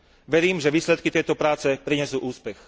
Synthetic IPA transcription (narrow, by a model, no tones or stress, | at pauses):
ʋɛɾiːmʒɛʋiːslɛt̪̚kit̪ɛjt̪ɔpɾaːt͡sɛpɾiɲɛsuːʔuːspɛx